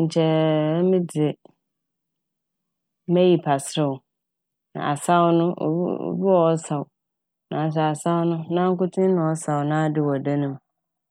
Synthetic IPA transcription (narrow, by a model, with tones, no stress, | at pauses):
ɲ̩˨t͡ɕʰɛ˦mɪ̃˦dɪ˨ɪ˨˦ | mɛ˦ji˨pʰa˨sɾɪ˦˨ʊ˨ | nã̰˨a˨sa˦wnʊ̃˦ʔo̰˨˦o̰˨bi˦wɔ˨ɔ˦sa˨wʊ˨ | nã˨n˦s̬ɛ˨a˨sa˦wʊ˦nʊ̃˦nã˦ŋ̩˦kʊ˦tʰɪ̃˦nʊ̃˨ɔ˦sa˨wʊ˨nã˦dɪ˨wɔ˨da˦nʊ̃˦m